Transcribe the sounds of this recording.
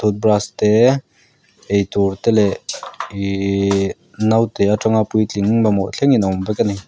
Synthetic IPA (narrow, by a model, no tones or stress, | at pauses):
t̪ut̪̚bɾast̪ɛ | ejt̪uɾt̪ɛlɛi | nawt̪ɛaʈ͡ʂɔŋapujt͡ɬiŋbamɔʔt͡ɬʰɛŋinɔmpɛkani